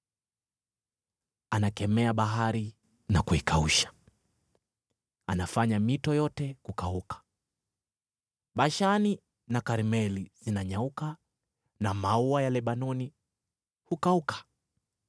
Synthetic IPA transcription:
anakɛmɛaɓaɦaɾi | nakuikʰauʃḁ | anafaɲamitɔjɔtɛkukaukḁ | ɓaʃani | nakaɾimɛlizinaɲauka | namauajalɛɓanɔni | hukaukʰḁ

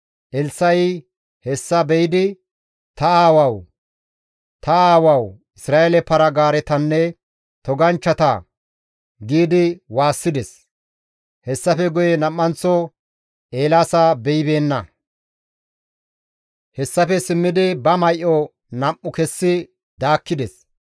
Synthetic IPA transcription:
ʔɛlsɐj | hɛsːɐbɛjɪd̪ɪ | t̪ɐaːwɐw | t̪ɐaːwɐw | ɪsɾaːelɛpɐɾɐɡaːɾɛt̪ɐnːɛ | t̪ɔɡɐnt͡ʃːɐt̪a̰ | ɡiːd̪ɪwaːsːɪd̪ɛs | hɛsːɐfɛɡʊjɛnɐmːɐnt͡sːɔ | eːlaːsabɛjɪbe̞ːnːɐ | hɛsːɐfɛsɪmːɪd̪ɪbɐmɐjʔɔ | nɐmːʊkɛsːɪ | d̪aːkːɪd̪ɛs

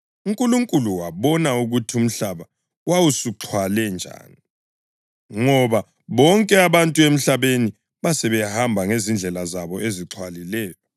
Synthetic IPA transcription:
uŋkʼuluŋkʼuluwaβɔnauɣutʰium̩ɬaβa | wawusuǁʰwalɛnd͡ʒʱa̰ːni | ŋɔβa | βɔŋkʼɛaβantʼuem̩ɬaβeni | βasɛβɛhambʱaŋezind͡ɮʱɛlazaβɔʔeziǁʰwalilɛːjɔ

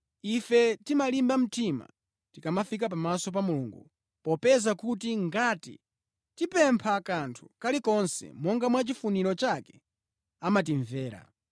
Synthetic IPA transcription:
ifɛtimalimbam̩tima̰ | tikamafik̬ap̬amasɔp̬amulṵːŋɡṵ | pɔpɛzakut̬iŋɡaːtḭ | tipɛmpʰakantʰu̥kalikɔnsɛ̰mɔŋɡamwat͡ʃifuniɾɔt͡ʃakɛ̥ | amatiɱvɛːɾa̰

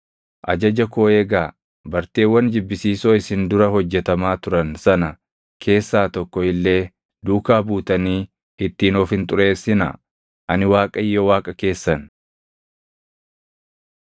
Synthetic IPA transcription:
ʔɐd͡ʒɐd͡ʒɐkoːeːɡaː | bɐɾt̪eːwːɐnd͡ʒɪbːɪsiːso̞ːɪsɪnd̪ʊɾɐhɔd͡ʒːɛt̪ɐmaːt̪ʊɾɐnsɐnɐ | kʰe̞ːsːaːt̪ɔkːɔɪlːe̞ː | d̪uːkaːbuːt̪ɐniː | ɪt̪ːiːnoːfhɪnt̪ʼʊɾe̞ːsːɪnɐ̰ | ʔɐnɪwaːkʼɐjːɔwaːkʼɐke̞ːsːɐn

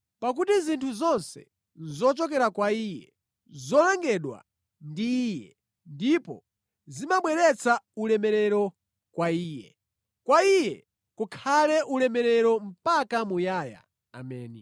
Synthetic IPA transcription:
pak̬utizintʰuzɔnsɛ̰ | zɔt͡ʃɔk̬ɛɾakwaijɛ | zɔlaŋɡɛɗwa̰ | ndiːjɛ | ndipɔ̰ | zimaɓwɛɾɛt͡sʰaulɛmɛɾɛɾɔ | kwaiːjɛ | kwaijɛ̰ | kukʰalɛʔulɛmɛɾɛɾɔm̩pakamujaːja̰ː | mɛːni

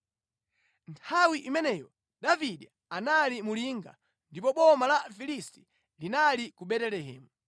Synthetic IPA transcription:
ntʰawiʔimɛnɛjɔ | ɗaviɗɛ | analimuliŋɡa̰ | ndipɔɓɔmalafilisti̥ | linalikuɓɛtɛlɛhɛːmu

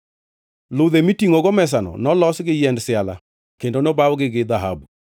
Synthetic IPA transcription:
loðemitiŋoɡomɛs̬anɔ̰nɔlɔsɡɪjɛndsɪala̰ | kendonobawɡɪɡɪd̪aɦa̰bu

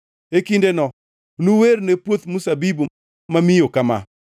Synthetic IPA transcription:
ekindenɔ | nuweɾnepwot̪musabibu | mamɪjokama̰

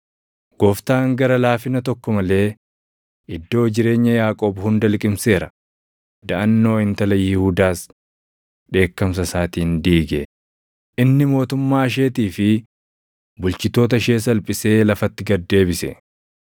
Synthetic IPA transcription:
ɡ̥ɔft̪aːŋɡɐɾɐlaːfɪnɐt̪ɔkːɔmɐle̞ː | ʔɪd̪ːo̞ːd͡ʒɪɾe̞ːɲːɐjaːkʼoːbhʊnd̪ɐlkʼɪmse̞ːɾɐ | d̪ɐʔɐnːo̞ːɪnt̪ɐlɐjɪhuːd̪aːs | ɗe̞ːkːɐms̬ɐsaːt̪iːnd̪iːɡe | ʔɪnːɪmo̞ːt̪ʊmːaːʃ̬e̞ːt̪iːfɪ | bʊlt͡ʃɪt̪o̞ːt̪̬ɐʃe̞ːs̬ɐlpʼɪse̞ːlɐfɐt̪ːɪɡɐd̪ːe̞ːbɪsɛ̰

